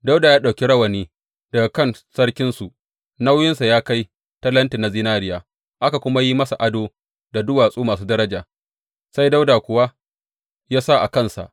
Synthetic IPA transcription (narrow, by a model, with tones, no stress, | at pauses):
da˦wdaː˨jaː˦ɗa˨kʲi˦ɽɐ˦wɐ˨niː˦ | d̥ɐ˨ɡa˨kɐ˦˨nsɐ˦ɽkʲɪ˦nsu˨ | na˦wjɪ˦nsa˨jaː˦ka˦j | tɐ˦lɐ˦nti˨na˨ziː˦naː˦ɾɪ˦jaː˨ | ʔa˦ka˨kʷʊ˦ma˦ji˦mɐ˦sa˨ʔa˦doː˦ | da˨dʊ˦waː˨sʼuː˦maː˨s̬uː˦dɐ˦ɾɐ˦d͡ʒaː˨ | sa˦jda˦wdaː˨kʷʊ˨wa˦ | jaː˦sa˦ʔa˨kɐ˦nsa̰˨ʔ